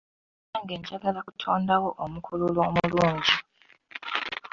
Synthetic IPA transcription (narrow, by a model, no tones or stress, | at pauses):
aːŋɡe̞ːɲɟaɡalakutʰoːndawoʔomukʰululwoːmuluːɲɟi